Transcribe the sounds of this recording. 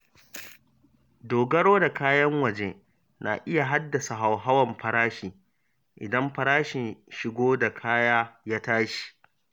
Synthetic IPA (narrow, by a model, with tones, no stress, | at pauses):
doː˨ɡɐ˦ɽoː˦da˨kaː˦jɐ˦ŋwɐ˨d͡ʒeː˦ | na̰ː˨ʔɪ˦ja˨ɦa˦dːɐ˨sa˨ɦa˨wɦa˦wɐ˨mɸɐ˨ɾaː˦ʃiː˨ | ʔɪ̰˨dɐ˦mɸɐ˦ɾaː˦ʃɪ˨nʃɪ˨ɡʷoː˦da˨kʰaː˦jaː˦jaː˦taː˦ʃi̥˨